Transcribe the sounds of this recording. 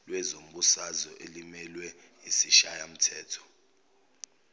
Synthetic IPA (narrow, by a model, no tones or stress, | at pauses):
lwɛzom̩ɓusazɔʔelimɛlwɛ | isiʃajam̩tʰɛːtʰɔ̥